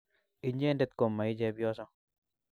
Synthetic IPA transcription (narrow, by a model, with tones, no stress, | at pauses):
i˨ɲe˦nde˦t̪̚ko˨mːa˨i˦d͡ʒɛ˦bjɔ˦sɔ˦